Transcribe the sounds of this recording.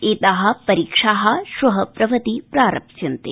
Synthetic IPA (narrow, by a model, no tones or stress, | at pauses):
eːt̪aɦɐ̆pɐɾiːkʂaːɦɐ̆ʃuɦɐpɾɐʋɐt̪ipɾaːɾɐpʃɐnt̪ḛ